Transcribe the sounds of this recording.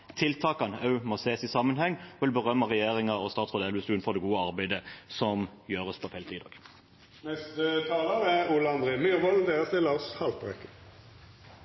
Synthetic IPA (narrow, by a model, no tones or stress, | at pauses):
t̪ʰɪlt̪ʰɑːkɑnɑʉmɔseːsɪsɑmːənhɛŋːʋɪlbəʁœmːɑʁɛjeːʁɪŋɑɔst̪ɑːt̪sʁɔd̪ɛlʉsd̪ʉːnfɔʁd̪ɛɡuːəɑʁbæɪd̪əsɔmjøːʁəspʰɔfɛɪlt̪ʰiːd̪ɑ̰ːɡ̥ | nɛst̪ət̪ʰɑːləʁɛuːlɑnd̪ʁemyʁʋɔld̪eːʁəst̪ɪlɑshɑlt̪ʁɛkə